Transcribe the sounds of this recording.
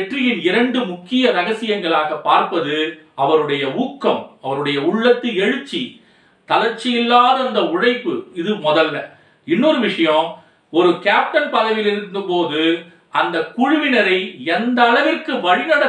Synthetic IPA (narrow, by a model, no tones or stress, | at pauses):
ʈrɪjɪnɪɾɐɳɖɯmʊkːɪjɐɾɐɣɐsɪjɐŋɡɐɭaːɣɐpːaːɾpɐðɯɐʋɐɾɯɽɐjɐuːkːɐmɐʋɐɾɯɽɐjɐʊɭːɐt̪ːɯɛɻɯt͡ʃːi | t̪ɐlɐɾt͡ʃːɪjɪlːaːðɯɐnd̪ɐʊɻɐɪpːɯɪðɯmɔðɐlːɐ | ɪnːoːɾɯʋɪʂɐjɐ̃ | ɔɾɯkaːp̚ʈɐnpɐɣɐʋɪlɪɾɯnd̪ɯpoːðɯ | ɐnd̪ɐkːʊɻʊʋɪnɐɾɐɪɛnd̪ɐːɭɐʋɪrkɯʋɐɻɪnɐɽɐ